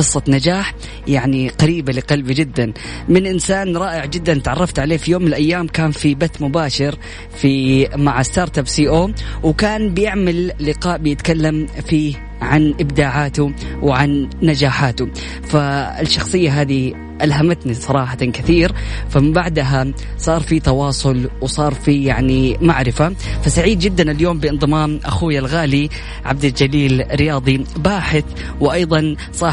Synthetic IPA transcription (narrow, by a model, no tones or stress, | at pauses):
qɨsˤːɑnad͡ʒaːħ | jaʕniqɑɾiːbalɪqɑlbid͡ʒɪd̪ːan | mɪnʔɪnsaːnɾˤɑːʔɪʕd͡ʒɪd̪ːant̪ʕɑrˤːɑft̪ʕaleːfijoːmːɪnɪlʔajːaːmkaːnfibat̪ːmʊbaːʃɪɾ | fimaʕast̪ɑːɾˤt̪absiːʔoːwkaːnbɪjɪʕmalːɪqɑːʔbɪjɪt̪kalːamfiː | ʕanʔɪbd̪aːʕaːt̪uwʕanːad͡ʒaːħaːt̪ʊ | faɪʃːɑxsˤɨjːaɦaːði | ʔalɦamat̪nisˤɑɾˤɑːħakɪθiːɾfamɪmbaʕd̪ɦa | sˤɑːɾˤfit̪ɑwɑːsˤʊlwɪsˤɑːɾˤfijaʕnimaʕɾɪfa | fasaʕiːd̪̚d͡ʒɪd̪ːanɪljoːmbɪɪnðˤɨmaːmʔa̰xuːjalɣaːli | ʕab̚d̪ald͡ʒaliːlɾɪjɑːðˤibaːħɪθ | wɪʔɑjðˤɑn | sˤɑː